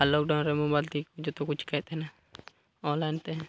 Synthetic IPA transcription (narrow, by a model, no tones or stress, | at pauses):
alok̚ɖanɾɛmobajlt̪ikud͡ʒɔt̪ɔkut͡ʃʰkat̪ɛna | ɔnlajnt̪ɛ